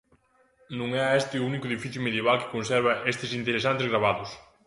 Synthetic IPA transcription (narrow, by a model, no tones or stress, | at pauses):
nũŋɛɐest̪ɪʊunikʊeðifiθjumeðjeβalkɪ̥konsɛɾβɐʔest̪ɪsint̪eɾesant̪ezɣɾaβ̞aðʊs